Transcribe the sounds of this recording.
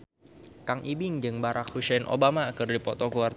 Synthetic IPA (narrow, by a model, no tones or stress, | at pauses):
kaŋʔibɪŋd͡ʒɨŋbaɾʔak̚husɛjnʔo̰bamakɨrdipɔt̪okuar